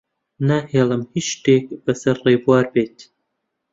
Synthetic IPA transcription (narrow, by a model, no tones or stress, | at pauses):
naheːlɐmhiʃteːkʼbɐsɐrːeːbwarbeːtʰ